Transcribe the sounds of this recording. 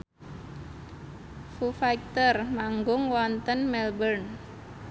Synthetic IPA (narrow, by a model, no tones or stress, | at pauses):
fufajk̚t̪ərmaŋɡʊŋwɔnt̪ənmɛlbərn